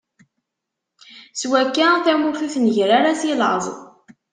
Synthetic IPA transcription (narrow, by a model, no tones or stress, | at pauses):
swækːaθæmufiθnəʝɾaɾasilʕəzˤ